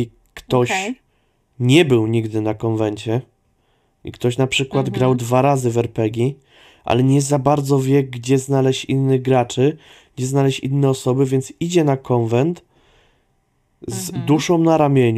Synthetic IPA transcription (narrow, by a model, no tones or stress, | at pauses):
kt̪ɔɕ | ɲɛbɘwɲiɡd̪ɘnakɔnvɛɲt͡ɕɛ | ʔḭkt̪ɔɕnapʂɘkwad̪ɡɾawd̪vaɾazɘvɛɾpɛɡʲi | ʔa̰lɛɲɛzabaɾd̪zɔvʲjɛɡɡd͡ʑɛznalɛɕinːɘɣɡɾat͡ʂɘ | ɡd͡ʑɛznalɛɕḭnːɛɔsɔbɘvʲjɛnt̪sid͡ʑɛnakɔnvɛnt̪ | zd̪uʂɔ̃w̃naɾamʲjeɲ